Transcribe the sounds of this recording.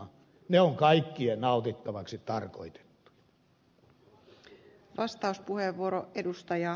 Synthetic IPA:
ɑ | neoŋkɑikːienɑˑut̪it̪ːɑʋɑksit̪ɑrko̰it̪e̥t̪ːu̥jɑɑ | ʋɑst̪ɑuspuheʋːuoɾoʔedust̪ɑjɑ

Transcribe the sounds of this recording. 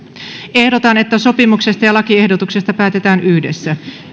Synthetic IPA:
ehdo̞t̪ɑne̞t̪ːæso̞pimukse̞st̪ɑjɑlɑkiehdot̪uksest̪ɑpæːt̪et̪æːnyhde̞sːæ

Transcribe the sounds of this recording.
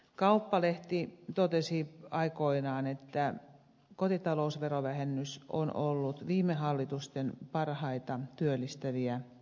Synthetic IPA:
kɑupːɑleht̪it̪ot̪esiɑikoinɑːnet̪ːæ | kot̪it̪ɑlousʋeroʋæhenːyso̰nolːut̪ʋiːmːˑeɦɑlːit̪ust̪enpɑrhɑit̪ɑt̪yølːist̪æʋiæ

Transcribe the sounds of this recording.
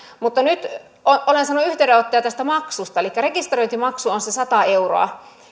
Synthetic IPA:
mut̪ːɑnyt̪ | oʔolensɑnːuyht̪eydeot̪ːɑjɑt̪æst̪æmɑksust̪ɑelikːærekist̪rojnt̪imɑksuonsesɑt̪ɑeuro̰ɑ̰

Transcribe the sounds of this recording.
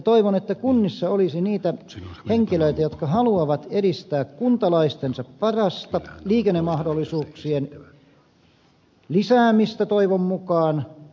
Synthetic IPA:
t̪oiʋonet̪ːækunːisːɑolisiniːt̪æ | heŋkiløit̪æjot̪kɑhɑluɑʋɑt̪eɾist̪æːkkunt̪ɑlɑist̪ensɑppɑrɑst̪ɑliːkenːemɑhdolːˑisuːksien | lisæːmist̪æt̪oiʋommukɑːn

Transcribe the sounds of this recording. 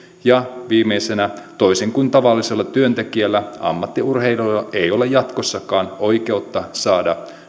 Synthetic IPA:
jɑʋiːmːejsenæt̪o̞iseŋkunt̪ɑʋɑlːise̞lːɑt̪yønt̪e̞kiælːæɑ̰mːɑt̪ːiurɦe̞jlolːɑe̞jo̞le̞jɑt̪ko̞sːɑkɑːno̞jke̞ut̪ːɑsɑːdɑ

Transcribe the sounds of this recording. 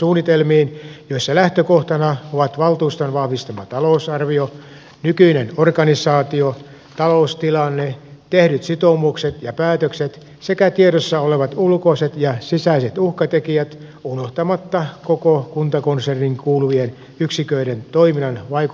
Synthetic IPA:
suːnːit̪elmiːnjoisːɑlæht̪økoht̪ɑnɑoʋɑt̪ʋɑlt̪uːst̪onʋɑhʋist̪ɑmɑt̪ɑlousɑrʋio | nykyinenorkɑnisɑːt̪io | t̪ɑloust̪ilɑnːet̪ehɾyt̪sit̪omukset̪jɑpæːt̪økset̪ | sekæt̪ieɾosːɑoleʋɑt̪ulkoiset̪jɑsisæiset̪uhkɑt̪ekiæt̪ | unoht̪ɑmɑt̪ːɑkokokunt̪ɑkonserniŋkuːluʋien | yksikøiɾent̪oiminɑnʋɑik

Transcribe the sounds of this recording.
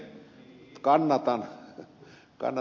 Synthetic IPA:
kɑnːɑt̪ɑn | kɑ̰nː

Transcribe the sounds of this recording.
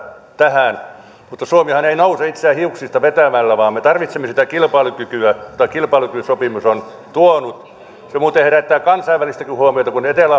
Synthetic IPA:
t̪æhæˑn | mut̪ːɑsuomihɑneinouseit̪seæhiuksist̪ɑʋet̪æmælːæʋɑːmmet̪ɑrʋit̪semːesi̥t̪ækilpɑːlukykyæjot̪ːˑɑkilpɑːˑlukysopimuson | t̪uonut̪ | semuːt̪eheræt̪ːæːkɑnsɑiʋʋælist̪ækihuomiot̪ɑkunet̪elæ

